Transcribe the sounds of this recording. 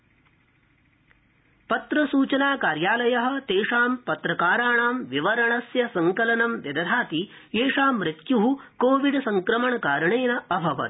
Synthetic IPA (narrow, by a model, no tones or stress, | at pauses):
pɐt̪ɾɐsuːt͡ʃɐnaːkaːɾjaːlɐjɐɦɐ̆t̪eːʂaːmpɐt̪ɾɐkaːɾaːɳaːmʋiʋɐɾɐɳɐsjɐsɐŋkɐlɐnɐmʋjɐd̪ɐd̪ʱaːt̪i | eːʂaːmːɾɪt̪juɦukoːʋiɖsɐŋkɾɐmɐɳɐkaːɾɐɳeːnɐɐbʱɐʋɐ̰t̪